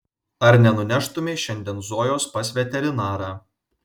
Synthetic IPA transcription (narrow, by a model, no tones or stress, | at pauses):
ɐɾnʲɛnʊnʲæʃt̪ʊmʲeːʃʲɛnʲd̪ʲiɛnzoɔːjoːspɐsʲʋʲɛt̪ʲɛɾʲɪnɑːɾɑː